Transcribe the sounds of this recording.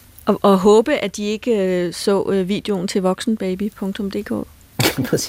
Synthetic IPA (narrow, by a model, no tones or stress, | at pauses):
ʔɒʔɒɦɔ̽ːb̥əʔæd̥ie̝ɡ̥əsɔ̰̽ːʋḭːd̥e̝o̝n̩t͡sʰe̝lʋɒ̽ɡ̥sn̩b̥ɛɪb̥ipʰɔ̽ŋt͡sʰɔ̽md̥e̝̰ːkʰɔ̰̽ː | kʰmnpʰɛ